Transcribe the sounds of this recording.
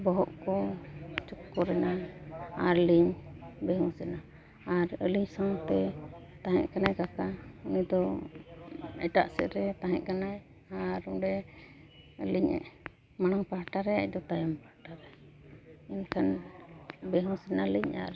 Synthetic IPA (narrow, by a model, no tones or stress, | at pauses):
bɔɦɔʔkɔt͡ʃɔkːɔɾɛnaaɾliɲbɛɦũsɛna | aɾəliɲsaŋt̪ɛt̪aɦɛ̰̃ʔkanajkakaunid̪ɔ | ɛ̰ʈaʔsɛ̰ɾɛt̪aɦɛ̃ʔ̚kanaj | aɾuɖɛ | əliɲɛ̰ʔ | maɽ̃aŋpaɦʈaɾɛa̰c̚d̪ɔt̪ajɔmpahʈaɾɛ | inkʰan | bɛɦũsɛnaliɲa̰ɾ